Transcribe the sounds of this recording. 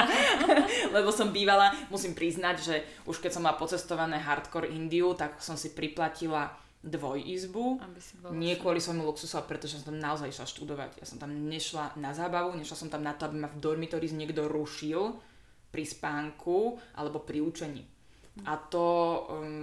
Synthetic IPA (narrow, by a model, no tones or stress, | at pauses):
lɛbɔsɔmbiːʋalamusimpɾiznaɟʒɛ | ʔuʃkɛcsɔmːalapɔt͡sɛst̪ɔʋanɛːɦaɾt̪kɔɾʔind̪iut̪aksɔmsipɾiplacila | d̪ʋɔjizbu | ɲɪɛkʋʊɔlisʋɔjmuluksusɔapɾɛt̪ɔʒɛsɔmt̪amnaɔzajiʃlaʃt̪ud̪ɔʋa̰ɟja̰sɔ̃mt̪amɲɛʃlanazaːbaʋuɲɛʃlasɔmt̪amnat̪ɔabimavd̪ɔɾmikt̪ɔɾiːzɲɪɛɡd̪ɔɾuʃil | pɾispaːŋkʰuʔa̰lɛbɔpɾiut͡ʃɛɲḭː | ʔat̪ɔ